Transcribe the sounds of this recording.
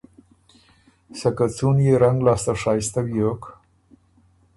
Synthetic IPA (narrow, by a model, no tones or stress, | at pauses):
sakat͡sunjeɾaŋɡlɑːst̪aʂɑːjst̪awjok